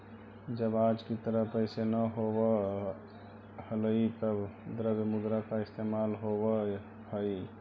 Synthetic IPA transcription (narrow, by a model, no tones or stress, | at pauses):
d͡ʒəbad͡ʒkit̪əɾəɦpəɪsenəɦobə | hələit̪əbd̪əɾəbəmud̪ɾakaɪst̪emalɦobə | həi